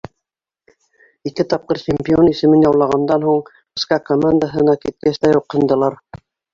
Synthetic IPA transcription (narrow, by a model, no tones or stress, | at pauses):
ikɘt̪ɑp̚qɤɾt͡ɕemʲpʲionisɘ̆mɘnjɑwlˠɑʁɑnd̪ɑnɦuɴ | ɘ̆skɑkomand̪aɦɤ̆nɑkit̪̚kæst̪æjuqhɤ̆nd̪ɤ̆lˠɑɾ